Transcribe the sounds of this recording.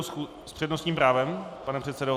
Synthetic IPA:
xu | spr̝̥ɛdnost̪ɲiːmpɾaːvɛmpanɛpr̝̥ɛt̪sɛdo

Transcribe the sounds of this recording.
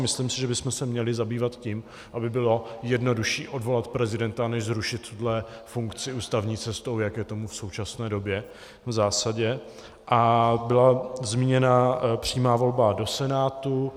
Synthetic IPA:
mɪslimsɪʒɛbɪsmɛsɛmɲɛlɪzabiːvat̪ciːm | ʔabɪbɪlo̞jɛdno̞duʃiːʔo̞dvo̞lat̪pɾɛzɪdɛnt̪anɛʒzɾuʃɪt̪ːudlɛfuŋkt͡sɪuːst̪avɲiːt͡sɛst̪owjakjɛt̪o̞mufso̞wt͡ʃasnɛːdo̞bjɛ | vzaːsaɟɛ | ʔabɪlazmiɲɛnapr̝̥iːmaːvo̞lbado̞sɛnaːt̪u

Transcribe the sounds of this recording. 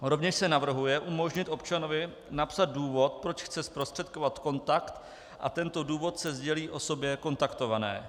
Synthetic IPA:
ɾo̞vɲɛʃsɛnavr̩ɦujɛʔumo̞ʒɲɪt̪ʔo̞pt͡ʃano̞vɪ | napsad̪̚duːvo̞t̪̚pɾo̞t͡ʃxt͡sɛspɾost̪r̝̥ɛt̪̚ko̞vat̪ko̞nt̪akt̪ | ʔa̰t̪ɛnt̪o̞duːvo̞t̪sɛzɟɛliːʔo̞so̞bjɛko̞nt̪akt̪o̞vanɛ̰ː

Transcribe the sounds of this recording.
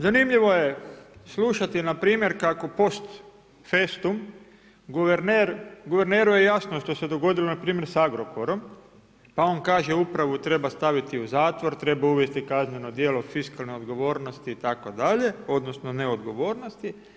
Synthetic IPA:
zanimʎiʋo̞jesluʃat̪inapɾiːmje̞ɾkako̞po̞st̪ | fest̪um | ɡuʋeɾneɾɡuʋe̞ɾneːɾuje̞jasnoʃt̪o̞se̞d̪o̞ɡo̞d̪ilonapɾiːmjeɾsaɡɾo̞po̞ɾo̞m | pao̞nkaːʒe̞upɾaʋut̪ɾe̞bast̪aʋit̪iuzaːt̪ʋo̞ɾt̪ɾe̞bauʋjest̪ikazneno̞d̪jeːlo̞fiskalnoo̞d̪ɡoʋo̞ːɾnost̪iːt̪ako̞d̪aʎe̞o̞d̪no̞snoneod̪ɡo̞ʋoːɾno̞st̪i

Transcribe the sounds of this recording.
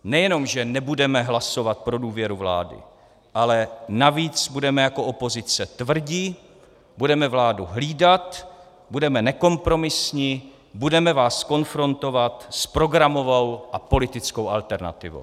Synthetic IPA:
nɛjɛno̞mʒɛnɛbudɛmɛɦlaso̞vat̪̚pɾo̞duːvjɛɾuvla̰ːdɪ̰ | ʔalɛnaviːt͡sbudɛmɛjako̞ʔopo̞zɪt͡sɛt̪vr̩ɟi | budɛmɛvlaːduɦliːdat̪ | budɛmɛnɛko̞mpɾo̞mɪsɲɪ | budɛmɛvaːsko̞nfɾo̞nt̪o̞vat̪spɾo̞ɡɾamo̞vowʔapo̞lɪt̪ɪt͡sko̞wʔalt̪ɛɾna̰t̪ɪ̰vo̰w

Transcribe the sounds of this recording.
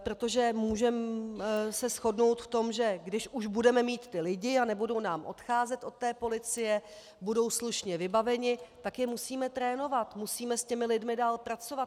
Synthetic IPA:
pɾo̞t̪o̞ʒɛmuːʒɛm | sɛsxo̞dno̞wt̪ft̪o̞mʒɛɡdɪʃʔuʒbudɛmɛmiːt̪ːɪlɪɟɪanɛbudo̞wnaːmʔo̞̰t̪xaːzɛt̪o̞t̪̚ːɛːpo̞lɪt͡sɪjɛ | budo̞wsluʃɲɛvɪbavɛɲɪt̪akjɛmusiːmɛt̪ɾɛːno̞vat̪musiːmɛscɛmɪlɪdmɪdaːlpɾat͡sovat̪

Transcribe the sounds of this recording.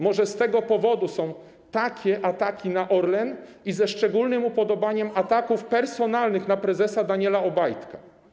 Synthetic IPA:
mɔʐɛst̪ɛɡɔpɔvɔd̪usɔ̃w̃ | t̪akʲɛʔat̪akʲinaʔɔɾlɛnizɛʂt͡ʂɛɡulnɘmupɔd̪ɔbaɲɛmat̪akufpɛɾsɔnalnɘxnapɾɛzɛsad̪aɲɛlaɔbajt̪ka

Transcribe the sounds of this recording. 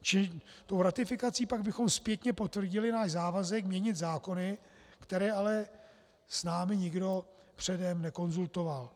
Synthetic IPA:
t͡ʃɪt̪o̞wɾat̪ɪfɪkat͡siːpaɡbɪxo̞mspjɛt̪ɲɛpo̞t̪vr̩ɟɪlɪnaːʃzaːvazɛkmɲɛɲɪt̪zaːko̞nɪ | kt̪ɛɾɛːalɛ | snaːmɪɲɪɡdo̞ | pr̥ɛdɛmnɛko̞nzult̪o̞val

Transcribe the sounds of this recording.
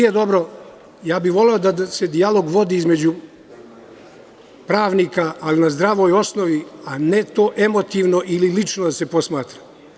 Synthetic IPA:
ijed̪o̞bɾo̞ | jaːbiʋo̞le̞od̪ase̞d̪ijalo̞ɡʋo̞d̪iːizme̞d͡ʑu | pɾaːʋniːkaːlinazd̪ɾaʋo̞jo̞sno̞ʋiane̞t̪o̞ːʔe̞mo̞t̪iːʋno̞ʔililit͡ʃnod̪ase̞po̞smaːt̪ɾḁ

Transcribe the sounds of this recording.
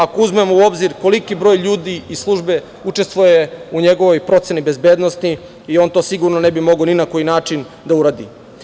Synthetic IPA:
ako̞uzme̞mouo̞bziɾko̞likibɾo̞ːjʎuːd̪iislˠuʒbe̞ | ut͡ʃest̪voje̞uɲe̞ɡo̞ʋo̞jpɾo̞t̪se̞nibe̞zbe̞ːd̪nost̪i | io̞ːnt̪oːsiɡuɾnonebimo̞ɡoninako̞jinaːt͡ʃin | d̪auɾaːd̪ḭ

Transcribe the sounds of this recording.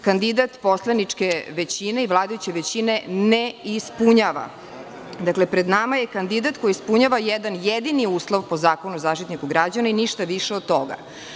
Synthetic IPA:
kand̪id̪at̪po̞slˠanit͡ʂkeʋet͡ɕineiʋlˠaːd̪ajut͡ɕe̞ʋet͡ɕineneispuɲaʋa̰ | d̪aklepɾed̪namajekand̪id̪at̪kojiːspuɲaʋajɛd̪anjed̪iniuːslˠoʋpo̞zaːko̞nuzaːʃt̪it̪nikuɡɾad͡ʑanainiʃt̪aʋiʂeod̪̚t̪o̞ɡa̰

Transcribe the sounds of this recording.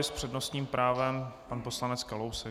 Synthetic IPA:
ɪspr̝̥ɛdnost̪ɲiːmpɾʔaːvɛmpanpo̞slanɛt͡skalowsɛ

